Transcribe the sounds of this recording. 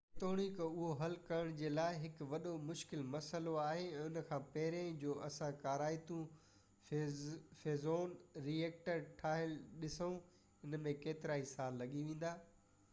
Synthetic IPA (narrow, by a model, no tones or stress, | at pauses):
t̪oːɽ̃ikʊɦoɦɐlkɐɾəɽ̃d͡ʑeːlaːɪɦɪkʋɐɗomʊʃkɪlmɐsəloaːɦeɛ̃ːʊnə̆kʰãːpɐɦɪɾẽd͡ʑoːʔɐsãkaːɾaːɪt̪ũ | feːzoːnɾieːk̚ʈəɾʈʰaːɦɪlɪɗɪsəũ | ɪnəmẽkeːt̪ɪɾaːisaːlːɐɠiʋẽːn̆d̪aː